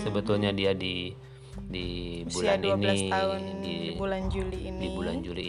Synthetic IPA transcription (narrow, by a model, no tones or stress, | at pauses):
səbət̪ulɲadiadi | dibulaninisaʊndiuland͡ʒulidibuland͡ʒuliː